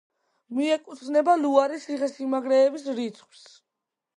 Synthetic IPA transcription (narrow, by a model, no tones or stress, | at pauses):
miɛkʼut̪sʰnɛbaluaɾisiχɛsimaɡɾɛːbisɾit̪sʰχs